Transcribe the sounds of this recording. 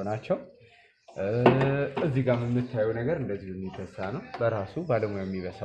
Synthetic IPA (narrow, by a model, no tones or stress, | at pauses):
nat͡ʃːɛw | ɨzːiɡamɨmːɨt̪ʰːajːunəɡəɾɨnd̪əzːihɨnːit̪ʰːəsanəwbəɾasubaləmujamːiβəs